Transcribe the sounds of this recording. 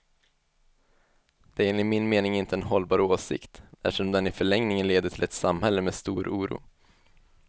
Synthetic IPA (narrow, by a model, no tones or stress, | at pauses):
d̪̥ɛæɾeːnlɪmɪnmeːnɪŋɪnt̪əɛnɦɔlbɑːɾoːsɪ̰kt̪æ̰fʂɔmd̪ɛnɪfœɭɛŋnɪŋənleːd̪əʈʰɪlɛt̪samhɛlːəmeːst̪uːɾʔuːɾṵː